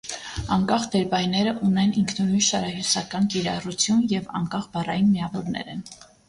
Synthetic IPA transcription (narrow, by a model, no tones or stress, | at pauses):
ɑŋkɑχd̪ɛɾbɑjnɛɾəʔunɛniŋkʰnunujʃɑɾɑhjusɑkɑnkiɾɑrut͡sʰjunjɛvɑ̰ŋkɑχbɑrɑjinmiɑvɔɾnɛ̰ɾɛn